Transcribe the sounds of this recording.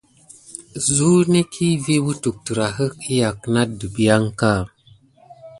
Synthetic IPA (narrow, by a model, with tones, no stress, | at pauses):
zu˦ne˦kʰi˦vi˦wu˦tu˨k̚tə˨ɾa˨ɦə˦ki˦ja˨kna˦də˨bi˦ja˦ŋka˦˨